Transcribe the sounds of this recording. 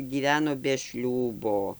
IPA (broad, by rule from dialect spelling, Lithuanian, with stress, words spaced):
ɡʲiːˈʋʲæːnoː bʲɛ ˈʃʲlʲuːboː